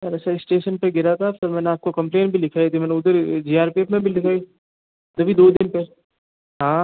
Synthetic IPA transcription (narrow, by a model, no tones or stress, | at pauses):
ɾɐʃaɪsʈeːʃənpɐɡɪɾat̪ʰafɪɾmɛːneaːp̚kokɐ̃mpleːnbʱilɪkʰaːit̪ʰimɛ̃ːneʊd̪əɾd͡ʒiːaːɾpeːpmẽbʱilɪkʰaːi | t̪ɐbʱid̪oːd̪ɪnpɐ | ɦãː